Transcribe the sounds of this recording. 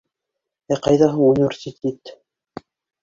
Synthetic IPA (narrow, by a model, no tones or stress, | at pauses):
æqɑjðɑɦɤunʲvʲeɾsʲit̪ʰʲet̪